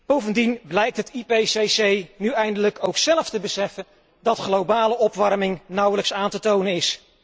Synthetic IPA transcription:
b̥owvəndinblɛjk̚tɦətipesejsejnyɛjndələkowksɛləftəbəsɛfən | dɑtχlowbaːləʔɔpʋɑɹmɪŋnʌwələksaːntətownənɪs

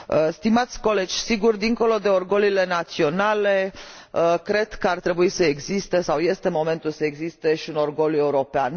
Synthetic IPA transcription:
əst̪imat̪sʲko̞le̞d͡ʒʲsiɡurd̪iŋko̞lo̞d̪e̞orɡo̞lile̞nat̪sio̞nale̞ | əkɾe̞d̪̥kəart̪ɾe̞buisəeɡzist̪e̞sawje̞st̪e̞mo̞me̞nt̪ulsəe̞ɡzist̪e̞ʃiuno̞rɡo̞le̞uɾo̞pean

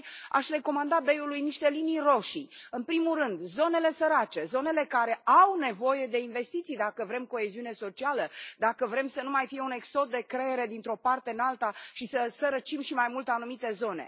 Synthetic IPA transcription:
a̰ʃre̞ko̞mand̪abe̞julujniʃt̪e̞linijro̞ʃiɨnpɾimurɨnd̪zo̞ne̞le̞səɾat͡ʃe̞zo̞ne̞le̞kaɾe̞awne̞vo̞je̞d̪e̞inve̞st̪it̪sijd̪akəvɾe̞mko̞e̞ziune̞so̞t͡ʃialəd̪akəvɾe̞msənumajfije̞une̞kso̞d̪̚d̪e̞kɾe̞jeɾe̞d̪int̪ɾo̞part̪e̞ɨnalt̪aʃisəsəɾət͡ʃimʃimajmult̪anumit̪e̞zo̞ne̞̰

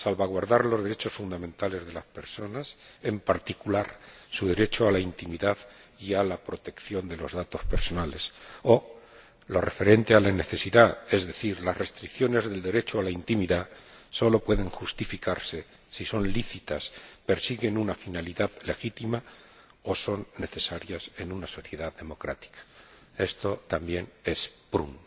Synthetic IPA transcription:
salβaɣwaɾðaɾlo̞zðeɾe̞t͡ʃo̞sfund̪amẽnt̪ale̞zðe̞laspe̞ɾso̞nase̞mpaɾt̪ikulaɾsuðe̞ɾe̞t͡ʃoalaint̪imiðaðialapɾo̞t̪e̞kθjo̞nd̪e̞lo̞̰zðat̪o̞spe̞ɾso̞nale̞so̞ | lo̞re̞fe̞ɾe̞nt̪e̞alane̞θe̞siðae̞zðe̞θiɾlasre̞st̪ɾikθjo̞ne̞zðe̞ld̪e̞ɾe̞t͡ʃoalaint̪imiðaso̞lo̞pwe̞ðe̞ŋxust̪ifikaɾse̞ | siso̞nliθit̪aspe̞ɾsiɣe̞nunafinaliðaðle̞xit̪ima | o̞so̞nːe̞θe̞saɾjase̞nunaso̞θje̞ðaðe̞mo̞kɾa̰t̪i̥kḁ | e̞st̪o̞t̪ambje̞ne̞spɾṵn

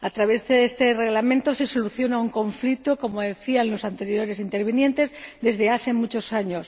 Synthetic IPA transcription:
at̪ɾaβ̞e̞zðeest̪e̞re̞ɣlamẽ̞nt̪ose̞so̞luθjo̞nauŋko̞ɱflik̚t̪oko̞moðe̞θianlo̞sant̪e̞ɾjo̞ɾe̞sint̪e̞ɾβ̞inje̞nt̪e̞zðe̞zðeaθe̞mut͡ʃo̞saɲos

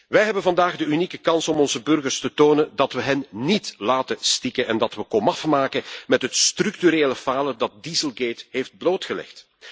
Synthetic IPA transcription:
ʋɛjɦɛbənvɑndaːɣdəynikəkɑnsɔmɔnzəbɵrɣərstətoːnəndɑtʋəɦɛnːitlaːtəstikənʔɛndɑtʋəkɔmɑfmaːkəmɛtɦətstryk̚tyɾeːləfaːlədɑt̚dizəlˠɡeːtɦeːfd̚bloːtxəlɛ̰xt

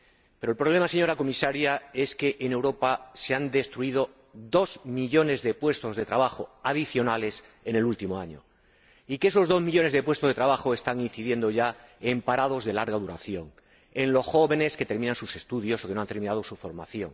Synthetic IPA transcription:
peɾolpɾo̞β̞le̞mase̞ɲo̞ɾako̞misaɾjae̞ske̞ʔene̞wɾo̞pase̞and̪e̞st̪ɾuiðo̞ | d̪o̞zmiʎo̞ne̞zðe̞pwe̞st̪o̞zðe̞t̪ɾaβaxo̞aðiθjo̞nale̞se̞ne̞lult̪imo̞aɲo̞̰ | ikeeso̞zðo̞zmiʎo̞ne̞zðe̞pwe̞st̪ozðe̞t̪ɾaβ̞axo̞e̞st̪aŋin̟θiðje̞nd̪o̞ʝaempaɾað̞o̞zðe̞laɾɣaðuɾa̰θjo̞ŋ | e̞nlo̞sxo̞βe̞ne̞ske̞t̪e̞ɾmĩnãnsuse̞st̪uðjo̞sokeoant̪e̞ɾmĩnaðo̞sufo̞̰ɾma̰θjo̞ŋ

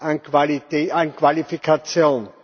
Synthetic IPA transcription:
ankʰvaliteːankv̥alifikʰat͡sjoːn

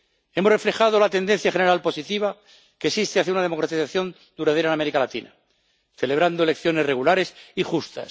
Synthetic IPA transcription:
e̞more̞fle̞xað̞olat̪end̪e̞n̟θjaχe̞ne̞ɾalpo̞sit̪iβ̞a | kesist̪eaθjaunað̞e̞mokɾat̪iθaθjo̞n | d̪uɾað̞eɾaename̞ɾikalat̪ina̰ | θe̞leβɾand̪oele̞kθjo̞ne̞sre̞ɣulaɾe̞sixust̪a̰s

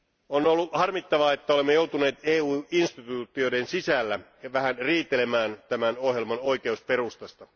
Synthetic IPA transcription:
onolːuhɑrmit̪ːɑʋɑet̪ːæolemːejo̞wt̪une̞ːt̪eːuːinst̪it̪uːt̪ːˑiode̞nsisælːæ | ʋæhænriːt̪ːele̞mæːnt̪æmænohjelmɑno̞jk̟e̞uspe̞rust̪ɑst̪ɑ

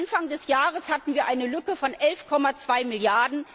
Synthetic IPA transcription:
nfaŋdɛsjaːʁəshatn̩viːɐʔaɪnəlʏkəfɔnʔɛlfkʰɔmat͡sv̥aɪmɪljaɐdn̩

